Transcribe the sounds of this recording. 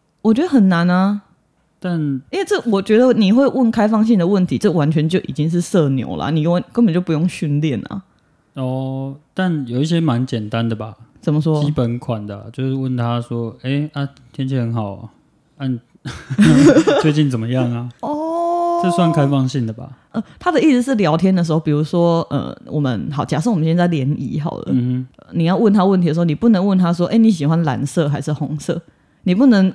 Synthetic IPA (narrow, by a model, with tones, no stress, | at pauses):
wɔ˨˩t͡ɕɥɛ˧˥d̪ə˧xə˨˩nːa˧˦na˧ | t̪a˥˨ni˥nwe˥˧˩ʈ͡ʂɤ˥˩wɔ˨˩t͡ɕɥɛ˧˥d̪ə˧˨ni˨˩xwe˥˧ɪwə˥˩nkʰa˥ɪfɑ˥˧ŋɕi˥˨d̪ə˩wə˥˩nt̪ʰi˨˦ʈ͡ʂɤ˥˩wa˧˦nt͡ɕʰɥɛ˧˦nt͡ɕjo˥˩ʊʔḭ˨˩t͡ɕi˦ŋʂ̬ɻ̩˥˧sɤ˥˧njo̰˧˦ʊlʔa̰˨˩ni˨˩˥nkə˦npə˨˩nt͡ɕjo˥˩pu˧˦jo˥˧ŋɕy˥˧nljɛ˥˩na̰˩ | ɔ˨˩t̪a˥˨njo˨˩ʊi˥˩ɕjɛ˥ma˧˦nt͡ɕjɛ˨˩nt̪a˦nd̪ə˨˩ba˨˩t͡sə˨˩nmə˦ʂwɔ˥t͡ɕi˦pə˨˦nkʰwa˨˩nd̪ə̰˩˨t͡ɕjo˥˧ʊʂɻ̩˥˧wə˥˩nt̪ʰa˦swɔ˦e˥ɪa˨˩ | t̪ʰjɛ˥˦nt͡ɕʰi˧˥hə˧˦nhɑ˨˩ʊa̰˨ | a˥˩n | t͡swe˧ɪt͡ɕi˥˩nt͡sə˨˩nmə˦jɑ˥˩ŋa˩ɔ˥˩ʂ̩˥˧swa˥˨nkʰa˥ɪfɑ˥˧ŋɕi˥˨nd̪ə˩ba̰˩ʔə˧˩t̪ʰa˦˥d̪ə˨i˥˧s̩˥˩ʂɻ̩˥˩ljɑ˧˥ʊt̪ʰjɛ˥nd̪ə˨ʂɻ̩˧˥xo˥˩ʊpi˨˩u˧˥ʂwɔ˥ʔə̰˨˩wɔ˨˩mə̰˦nxɑ˨˩ʊt͡ɕja˨˩ʂ̬̩˥˩wmə˦nɕɛ˥nt͡sa˥˩ɪljɛ˧˥nḭ˧˥ɦɑ̰˨˩ʊlə̰˦˧˦ə˧˩ni˨˩jɑ˥˧ʊwə˥˩nt̪ʰa˥wə˥˩nt̪ʰi˧də˧˩˧ni˨˩pu˥˩nə˧˥ŋwə˥˩nt̪ʰa˥swɔ˥ʔe˥˩ɪni˧˥ɕ̬i˨˩xwa˦nla̰˧˦˥nsɤ˥˩xa˧˥ɪʂɻ̩˥˩xʊ˧˥ŋsɤ̰˥˩ | ni˨˩pu˥˩nə˧˥ŋ